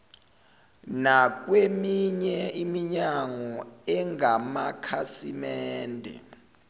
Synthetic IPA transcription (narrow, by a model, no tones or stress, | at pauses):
nak̬wemiɲɛimiɲaŋɔɛŋamakʰasḭmɛːndʱɛ̰